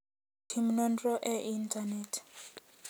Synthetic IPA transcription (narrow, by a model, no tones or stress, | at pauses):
tʰimnɔndrɔʔɛʔintʼanɛtʰ